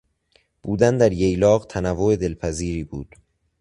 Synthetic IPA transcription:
b̥uːd̪ænd̪æɾjejlɒːɣt̪ʰænævːoed̪e̞lpʰæziːɾiːbuːd̪̥

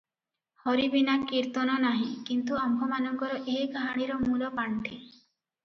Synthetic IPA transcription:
hɔɾibinakiɾt̪ɔnɔnaɦĩkint̪uambʱɔmanɔŋɡɔɾɔʔeɦiɡaɦaɽ̃iɾɔmulɔpaɳʈʰi

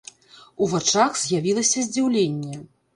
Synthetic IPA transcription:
uvat͡ʂaxz̥ʲjavʲilˠɐsʲɐzʲd͡zʲiwlʲenʲːɛ

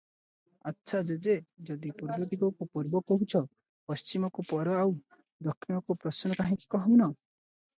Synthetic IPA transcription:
atːʃʰad͡ʒed͡ʒed͡ʒɔd̪ipuɾbɔt̪iɡɔkupuɾbɔkɔɦut͡ʃʰɔ | pɔst͡ʃimɔkupɔɾɔaw | d̪ɔkʰːinɔkupɾɔsnɔkaɦĩki̥kɔɦɔwnɔ

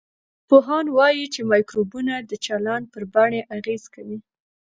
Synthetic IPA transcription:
poɦɑnwɑjit͡ʃemɑjkɾubunad̪ət͡ʃalɑnpəɾbaɳeʔaɣez̥kawi

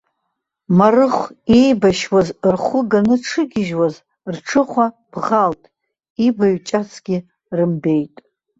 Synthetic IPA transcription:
marɨχʷejbaʃwazrχʷʊɡanɨʈ͡ʂʰɨɡʲɪʒwaz | rʈ͡ʂʰɨχʷa | b̥ʁaltʼ | ibaɥt͡ʃʼat͡sʰɡ̥ʲɪ | rɨmbe̞jtʼ

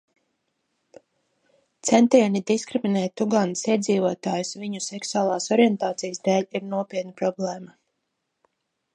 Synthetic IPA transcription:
t̪sɛnt̪iɛnid̪iskɾiminɛːt̪ːuɡansiɛd̪ziːvoɔt̪aːjusviɲuseksuaːlˠaːsɔɾiɛnt̪aːt̪sijəsd̪ɛːʎiɾnuɔpiɛt̪̚nipɾɔblˠɛːma

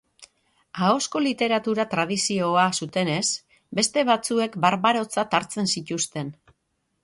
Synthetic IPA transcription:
ao̞sko̞lit̪e̞ɾat̪uɾat̪ɾað̞isio̞asut̪e̞ne̞s | be̞st̪e̞βat͡sue̞kbaɾβaɾo̞t͡sat̪aɾt͡se̞nsit̪ust̪e̞n

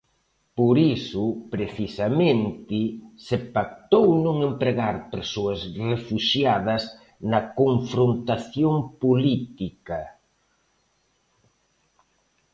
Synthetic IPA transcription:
poɾisʊpɾeθisamẽnt̪ɪsepak̚t̪ownõŋempɾeɣaɾpeɾsoɐsrefuʃjað̞ɐs | nɐkoɱfɾont̪aθjoŋpolit̪ikɐ

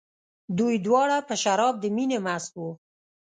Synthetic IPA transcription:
d̪ujd̪wɑɽapəʃaɾɑb̚d̪əminemaswu

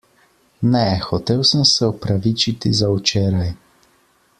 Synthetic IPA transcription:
nɛxɔt̪eːwsəmsɛɔpɾaʋit͡ʃit̪izawt͡ʃeːɾaj

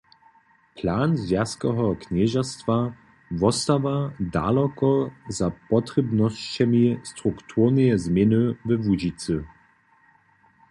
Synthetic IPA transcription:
pʰlaːnzvjaskɛɦɔknɛʒastv̥a | vɔstavada̰ːlɔkɔzapɔtʁɛbnɔst͡ʃɛmistʁuktʰuʁnɛjɛzmjɛnəvɛvud͡ʒit͡sə

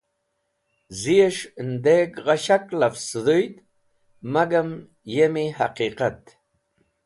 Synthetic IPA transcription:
zijeʂnd̪ekʁaɕaklafsɨd̪ujt̪ | maɡam | jemihaqiqat̪

